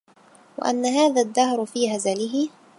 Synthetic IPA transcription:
wa̰ʔa̰nːaɦaːðaːðːahɾfiːhazalɪɦɪ

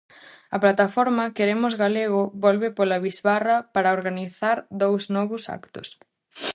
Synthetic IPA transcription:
ɐplat̪afɔɾmɐkeɾemʊzɣaleɣʊβɔlβɪpolɐβizβarɐpaɾɐoɾɣaniθaɾd̪owznɔβʊsa̰kt̪ʊ̰s

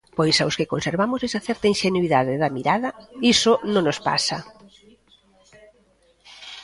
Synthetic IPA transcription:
pojsawskekonseɾβamʊsɛsaθɛɾt̪ainʃenuiðaðɪðɐmiɾaðɐisonõŋnospa̰sɐ

